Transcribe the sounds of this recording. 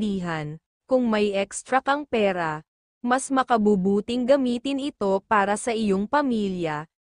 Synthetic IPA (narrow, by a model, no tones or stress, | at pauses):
d̪iːɦɐn | kʊŋmɐjʔɛkst̪ɾɐkɐŋpɛːɾɐ | mɐsmɐkɐbubuːt̪ɪŋɡɐmiːt̪ɪnɪt̪o̞paːɾɐsɐʔɪjo̞ŋpɐmiːljɐ